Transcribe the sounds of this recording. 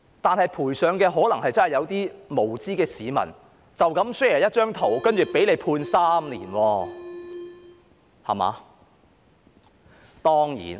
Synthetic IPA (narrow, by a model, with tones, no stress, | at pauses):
t̪aː˨nhɐ˨jpʰuː˨˩jsœː˨˧ŋkɛː˧ɦɔː˨˥lɐ˨˩ŋhɐ˨jt͡sɐ˥hjɐ˨˧wt̪iː˥mo˨˩wt͡siː˥kɛː˧siː˨˧mɐ̰˨˩n | t͡sɐ˨wkɐ˨˥msɵ˥˨˩jɐ˥t̚t͡ʃœː˥ŋt̪ʰo˨˩wkɐ˥nt͡ʃyː˨˩pe˨˥jle˨˧jpʰuː˧nsaː˥mliː˨˩nwɔː˧ | hɐ̰˨˩ma̰ː˨˧ | t̪ɔː˥ŋjḭː˨˩n